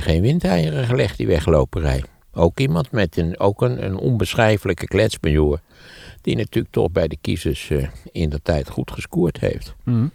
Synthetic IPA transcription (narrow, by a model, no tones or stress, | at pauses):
χejnʋɪntɛjərəχəlɛχtdḭʋɛχlowpərɛ̰j | owkimɑntmɛtənowkənə̰nɔ̰nbəsχɛjfələkəklɛtzbənjuːɹ | d̥inatylək̚tɔ̰χbɛjdəkisəsɪndətɛjtχutχəskuːɹthḛjft